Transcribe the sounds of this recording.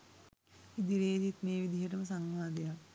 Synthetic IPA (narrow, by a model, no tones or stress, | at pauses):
id̪iɾeːd͡ʒit̪meːʋid̪iɦəʈ̬əməsaŋʋaːd̪eja